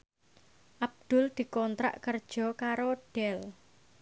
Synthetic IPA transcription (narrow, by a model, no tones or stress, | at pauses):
ʔab̚d̪̥ʊ̤ld̪̥i̤kɔnt̪ɾa̰ʔkərd̥ʒ̥ɔ̤kaɾoɖ̥ɛl